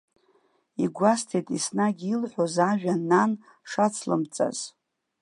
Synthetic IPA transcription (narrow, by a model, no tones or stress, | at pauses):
iɡʷastʰejtʼisnaɡʲilħʷozaʒᶣanan | ʂat͡sʰlɨ̰mt͡sʼa̰z̥